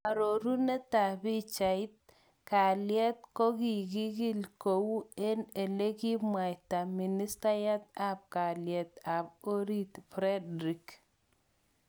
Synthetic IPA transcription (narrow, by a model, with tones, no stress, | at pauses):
a˨ɾo˨ɾu˦nɛ˦ta˨bi˦t͡ʃa˨ɪ˦t̪̚ | ka˨ljɛ˦t̪̚kɔ˦ɡi˨ɡi˦ɡi˦lko˨wu˦e˦ne˨le˦ɡi˦mwa˨jta˨mi˨ni˦sta˦ja˦t̪̚a˦p̚ka˨ljɛ˨t̪a˨bo˦ɾi˦t̪fɾɛ˦dɾi˨k